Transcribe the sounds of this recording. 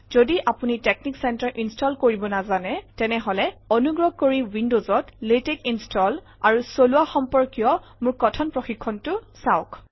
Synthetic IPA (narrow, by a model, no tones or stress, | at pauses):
z̥odiʔapunitek̚niksɛntaɹʔinstʰɔlkoɹibɔnazanɛtɛnɛɦɔlɛɔnuɡɹɔɡ̚koɹiwindozɔtletekinstʰɔl | aɹusoluaxɔmpɔɹkijɔ | mʊɹkɔtʰɔnpɹoxikʰːɔntʊsaʊk